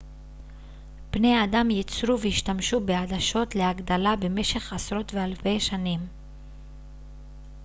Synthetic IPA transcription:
b̥ne̞jadamjit͡sɾuveiʃtamʃubeadaʃo̞tle̞aɡd̪alabe̞me̞ʃe̞χasɾo̞tve̞alfe̞jʃanim

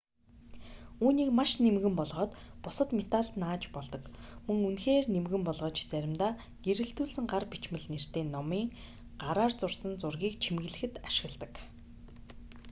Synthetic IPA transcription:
uːniːkmaʃnemɣɘ̆mpɔɮʁɔːt̪pʊsə̆t̪met̪aɮt̪naːt͡ɕpɔɮt̪ɞ̆kmɵŋunxeːrnemɣɘ̆mpɔɮʁɞːt͡ɕt͡sæɾʲɪ̆mt̪aː | ɡ̥eɾɘ̆ɬt̪uːɮsɘ̆ŋɢarpit͡ɕmɘ̆ɮner̥t̪eːnːɔmiːŋ | ɢ̥aɾaːrt͡sʊrsə̆nt͡sʊrɣʲiːkt͡ɕʰimɣɘ̆ɮɘ̆xɘ̆t̪aʃɪ̆ɣɮt̪ə̆k

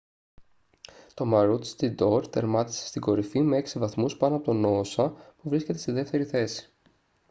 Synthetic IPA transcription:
t̪o̞mɐɾut̪st̪id̪o̞ɾt̪e̞ɾmɐt̪i̥se̥st̪iɡo̞ɾifimee̞ksivɐθmuspɐnoɐpo̞t̪ono̞sɐpuvɾisce̞t̪est̪iðe̞ft̪e̞ɾiθe̞si̥

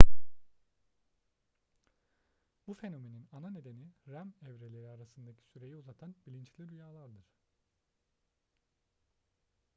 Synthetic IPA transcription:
bufe̞no̞me̞ninanane̞d̪e̞niɾæmɛvɾe̞lʲe̞ɾiaɾasɯnd̪acʰi̥syɾe̞jiuzat̪ʰanbilʲint͡ʃlʲid̪yjaːlˠaɾd̪ɯɾ̥

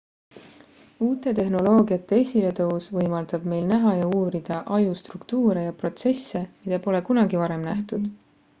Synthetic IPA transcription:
uːt̪ːˑe̞t̪e̞ɦno̞lo̞ːɡ̥iɑt̪ˑːe̞esʲile̞t̪ɤusvɤjmɑld̪̥ɑb̥me̞jlnæɦɑjɑuːɾid̪̥ɑʔɑjust̪rukt̪uːɾejɑpro̞t̪se̞sːe̞mid̪ɑpo̞le̞kunɑɡivɑɾe̞mnæht̪ud̪̥

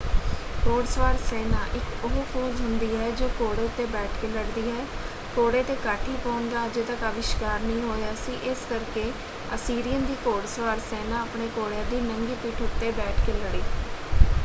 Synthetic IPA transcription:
koːɽsʋaːɾseːnãːʔɪkʊɦoːpʰoːzɦʊnd̪iːɦɛːd͡ʒoːkoːɽeːʊt̪ːeːbɛːʈʰkeːləɽd̪iːɦɛː | koːɽeːt̪eːkaːʈʰiːpɔːnd̪aːd͡ʒeːt̪əkəʋɪʃkaːɾnəĩːɦoːeaːsiːʔɪskəɾkeː | əsiːɾijənd̪iːkoːɽsʋaːɾseːnãːəpɳeːkoːɽeãːd̪iːnəŋɡiːpiːʈʰʊt̪ːeːbɛːʈʰkeːləɽiː

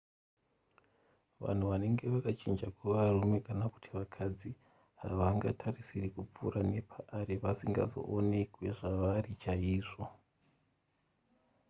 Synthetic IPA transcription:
ʋa̰n̤uʋane̞ŋɡe̞ʋakat͡ʃind͡ʒakwaʋarume̞kanaku̥tʰiʋakʰad͡zi | ɦa̰ʋaŋɡatʰarisirikup͡fṵɾane̞pʰaʔaɾeʋasiŋɡa̰zo̞̰ʔone̞kwe̞ʐaʋarit͡ʃaiːʐo̞

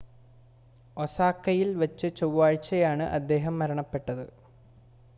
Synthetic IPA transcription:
osaːkːɐjilʋɐt͡ɕːɨt͡ɕowːaːɻt͡ɕːɐjaːɳɨʔɐd̪ːe̞ːɦɐmːɐɾɐɳɐpːe̞ʈːɐðɨ

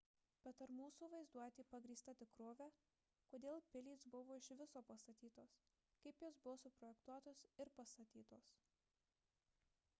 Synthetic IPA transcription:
b̥ʲɛt̪ɐɾmuːsuːʋɐɪzd̪uɔjt̪ʲiːpɐɡɾʲiːst̪ɐt̪ʲɪkɾoːʋʲæ | koːd̪ʲeːlˠpʲɪlʲiːsbʊʋoːɪʃʋʲɪsoːpɐst̪ɐt̪ʲiːt̪oːs | kɐɪpjoːsbʊʋoːsʊpɾɔjɛkt̪uɔt̪oːsɪɾpɐst̪ɐt̪ʲiːt̪oːs

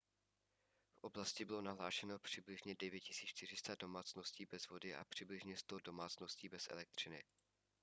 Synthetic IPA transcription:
fʔo̞blascɪbɪlo̞naɦlaːʃɛno̞pr̥ɪblɪʒɲɛdɛvjɛcɪsiːʃt̪ɪrɪst̪ado̞maːt͡sno̞sciːbɛzvo̞dɪʔa̰pr̝̥ɪblɪʒɲɛst̪odo̞maːt͡sno̞sciːbɛsʔɛ̰lɛk̚t̪r̝̥ɪnɪ̰

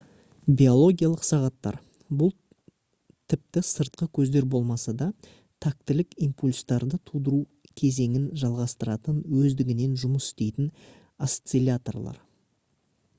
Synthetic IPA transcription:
bʲio̞lˠo̞ɡʲijalˠəqsɑʁɑt̪ːɑ̰ɾ | bʊlˠ | t̪ʰɪp̚t̪ɪsəɾt̪̚qəkʲʰɵzd̪e̞ɾbo̞lˠmɑsɑd̪ɑ | t̪ʰak̚t̪ɪlɪkimpulʲst̪ɑɾd̪ət̪ʰud̪əɾu | kʲʰe̞ze̞ŋɪnʒɑlˠʁɑst̪əɾɑt̪ənwɵzd̪ɪɡʲɪne̞nʒʊməsɪ̥st̪e̞jt̪ɪn | ast̪selʲat̪o̞̰rlˠɑ̰ɾ

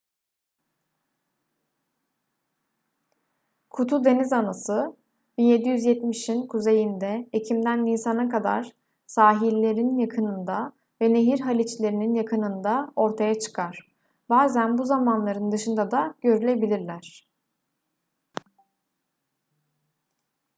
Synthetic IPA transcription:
kʰut̪ʰud̪e̞nizanasɯ | binje̞d̪ijyzjɛt̪miʃinkʰuze̞jind̪ɛecʰimd̪ænːiːsanɯkad̪a̰ɾ̥ | saːɦilʲːe̞ɾnnjakʰɯnɯnd̪a | vɛne̞ɦiɾɦalʲit͡ʃlʲe̞ɾininjakʰɯnɯnd̪ao̞ɾt̪ʰajat͡ʃʰɯ̥kʰaɾ̥ | baːzænbuzamanlˠaɾɯnd̪ɯʃɯnd̪ad̪aɟ̥ø̞ɾylʲe̞bilʲiɾlʲæɾ̥

